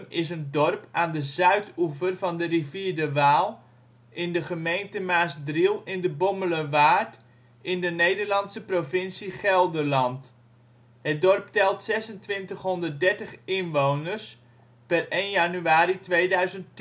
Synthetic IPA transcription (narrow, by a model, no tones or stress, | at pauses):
mɪsəndɔrpaːndəzœɥtuvərvɑndəriviːɹdəʋaːlˠ | ʔɪndəχəmejntəmaːsdrilˠɪndəbɔmələʋaːrt | ʔɪndənejdərlɑntsəprovɪnsiχɛlˠdəlɑnt | ɦət̚dɔrptɛlˠtsɛsəntʋɪntəχɦɔndərt̚dɛɹtəχɪnʋownərs | pərejnjanyaːɾitʋeːdœɥzənt